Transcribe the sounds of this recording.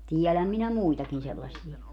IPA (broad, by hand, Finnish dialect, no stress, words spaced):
tiɛlæm minæ muitɑkin selːɑsˑie